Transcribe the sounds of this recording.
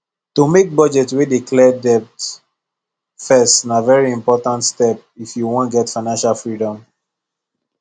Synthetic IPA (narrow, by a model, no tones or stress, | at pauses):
tumek̚bɔd͡ʒɛtwedikʰlɛdɛp̚t | fɛstnavɛɹiĩmpɔtãntstɛp̚ | ifjuwɔ̃ntɡɛtfaɪnãnʃalfɹidɔ̃m